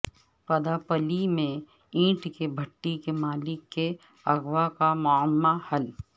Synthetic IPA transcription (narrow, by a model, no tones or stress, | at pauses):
pɐd̪apəlimẽ | ĩːʈkebʱɐʈːikemaːlɪkːe | ɐɡwakamʊəmːahɐl